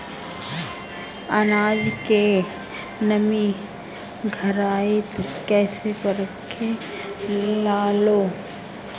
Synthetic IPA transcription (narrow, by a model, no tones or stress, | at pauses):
ənaːd͡ʒke | nəmi | ɡʱɐɾaːet̪kɛːsepəɾəkʰːe | lelaːloː